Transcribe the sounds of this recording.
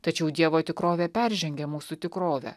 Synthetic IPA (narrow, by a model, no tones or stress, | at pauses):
t̪ɐt͡ʃʲɛʊd̪ʲiɛʋoːt̪ʲɪkɾoːʋʲɛpʲɛɾʲʒʲɛŋʲɡʲɛmuːsut̪ʲɪkɾoːʋʲɛ̰ː